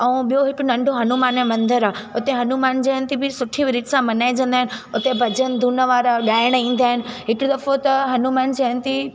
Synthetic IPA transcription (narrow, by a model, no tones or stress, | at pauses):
ɛ̃ːɓijoɦɪkʊnɐ̃ɳɖʱoɦɐnumaːnẽmɐ̃nd̪əɾaː | ʊt̪eɦɐnumaːnd͡ʑeɦənɪt̪ibɪsʊʈʰĩʋɪɾɪʈsãmɐnaːid͡ʑɐ̃nd̪aːɦɪ̃nɪ̆ʊt̪ebʱɐd͡ʑənɪ̆d̪ʱuːnəʋaːɾaɠaːɪɽ̃ĩːn̆d̪aːɦɪnɪ̆ɦɪkɽʊd̪ɐfot̪ɐɦɐnumaːnd͡ʑeɦənt̪ʰi